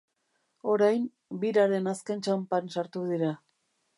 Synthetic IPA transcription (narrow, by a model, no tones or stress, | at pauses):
o̞ɾajm | biɾaɾe̞naske̞nt͡ʃampansaɾt̪uðiɾa